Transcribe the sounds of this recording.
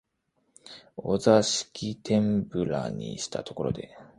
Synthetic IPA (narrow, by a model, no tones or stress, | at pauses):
o̞zaɕi̥kʲit̪ʰẽ̞mbɯ̟ɾa̰ɲ̟iɕi̥t̪a̰t̪o̞ko̞ɾo̞d̪e̞̰